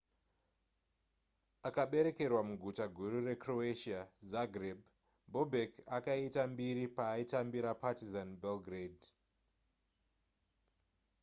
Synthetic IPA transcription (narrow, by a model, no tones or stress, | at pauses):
akaɓe̞ɾe̞ke̞rwamuɡʱutaɡʱuɾure̞kroeʃiazaɡreb | bobʱekakaitambiɾipaːitambiɾapatizanbelɡred